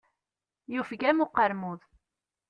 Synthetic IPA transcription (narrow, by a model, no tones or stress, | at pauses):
jufɡæmuqːəɾmuð